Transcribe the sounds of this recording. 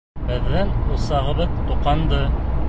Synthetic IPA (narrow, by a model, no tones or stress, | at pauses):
bɘ̆ðːænŏlˠsɑʁɤ̆βɤðt̪uqɑnd̪ɤ